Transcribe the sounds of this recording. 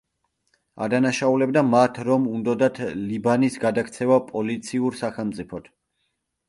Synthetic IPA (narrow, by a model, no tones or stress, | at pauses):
a̰d̪anaʃaulɛb̚d̪amat̪ʰɾɔmund̪ɔd̪at̪ʰlibanisɡad̪akʰt̪sʰɛvapʼɔlit̪sʰiuɾsaχɛlˠmt̪sʼipʰɔt̪ʰ